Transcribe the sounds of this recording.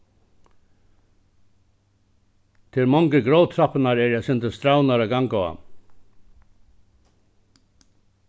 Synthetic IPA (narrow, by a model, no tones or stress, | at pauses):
t̪ʰɪɾmɔŋkɪɡɾowt̪ʰɾapnaɾɛɾjɛjsɪnt̪ɪst̪ɾawnaɾaɡaŋkaa̰